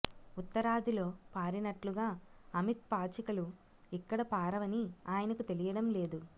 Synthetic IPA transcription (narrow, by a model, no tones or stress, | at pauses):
ut̪ːɐɾaːd̪ʱilo̞ːpaːɾinɐʈluɡaːɐmit̪̚paːt͡ʃɐkɐlu | ikːɐɽɐpaːɾɐʋɐniaːjɐnɐkut̪e̞lijɐɽɐmle̞ːd̪u